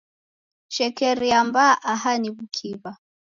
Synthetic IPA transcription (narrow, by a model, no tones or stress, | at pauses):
ʃɛkɛɾiambaʔahaniβukʰiβa